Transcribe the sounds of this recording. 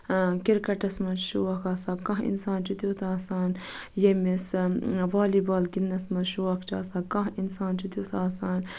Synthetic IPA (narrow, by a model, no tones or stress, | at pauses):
kiɾkɐʈɐsmɐʃuwɐkaːsaːkɐ̃ɦḭnsaːnt͡ʃit̪ut̪ʰaːsaːnjemesʋaːlibaːlɡinːɐsmɐʃuwɐkʰt͡ʃa̰ːsaːkɐ̃ɦinsaːnt͡ʃit̪ut̪ʰaːsaːn